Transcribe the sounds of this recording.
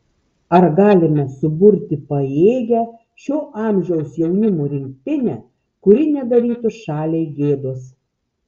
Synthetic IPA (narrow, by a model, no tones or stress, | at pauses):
ɐɾɡɑːlʲɪmʲɛsʊbʊɾʲt̪ʲɪpɐeːɡʲæ | ʃʲoːʔɑˑmʲʒʲɛʊsjɛʊnʲɪmoɾʲɪŋk̚t̪ʲɪnʲɛ | kʊɾʲɪnʲɛd̪ɐɾʲiːt̪ʊʃɑːlʲeɪɡʲeːd̪ʊs